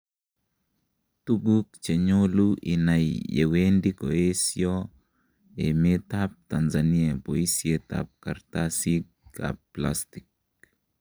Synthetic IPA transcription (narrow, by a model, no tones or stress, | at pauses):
t̪ubukt͡ʃɛɲoluʔḭnajḛwendikɔesjɔ | emet̪ap̚t̪anzaniapoisiet̪a̰p̚kaɾt̪asika̰pplast̪i̥k̚